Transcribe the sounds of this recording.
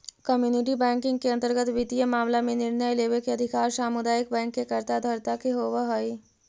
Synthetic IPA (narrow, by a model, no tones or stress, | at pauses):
kəmjuːnɪʈ̬ibɛ̃ːŋkɪ̃ŋɡkeɐnt̪əɾɡət̪ʋit̪ijəmaːmlamẽnɪɾnəjleːʋekeɐd̪ʱɪkaːɾsaːmud̪aːjək̚bɛ̃ːŋkːekəɾt̪ad̪ʱɐɾt̪akeɦoʋəɦoi